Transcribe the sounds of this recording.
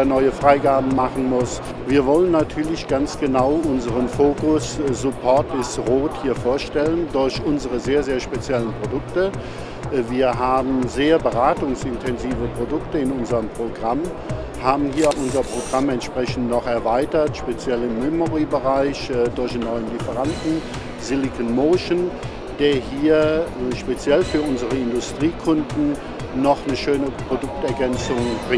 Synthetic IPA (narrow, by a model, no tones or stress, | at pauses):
ɐnɔʏəfʁ̥aɪɡaːbm̩maχn̩mʊs | viːɐvɔlənːatʰyːɐlɪçɡ̥ant͡sɡ̥ənaʊʔʊnzəʁənfoːkʊsz̥ʊpʰɔɐtɪsʁoːthiːɐfoːɐʃtɛləndʊɐçʔʊnzəʁəzeːɐzeːɐʃpet͡sjɛlənpʁ̥odʊktə | viːɐɦaːbm̩zeːɐbəʁaːtʊŋsɪntʰɛnziːvəpʁ̥odʊktəɪnʊnzəʁəmpʁ̥oɡʁam | haːbm̩ɦiːɐʔʊnzɐpʁ̥oɡʁamɛntʃpʁ̥ɛçn̩tnɔχɛɐvaɪtɐtʃpet͡sjɛlɪmːɛmoʁibəʁaɪçdʊɐçenɔʏənlifəʁandn̩ | zɪlikənmoːʃən | d̥eːɐɦiːɐʃpet͡sjɛlfyːɐʊnzəʁəɪndʊstʁ̥iːkʰʊndn̩ | nɔχnəʃøːnəpʁ̥odʊk̚tɛɐɡɛnt͡sʊŋbʁɪ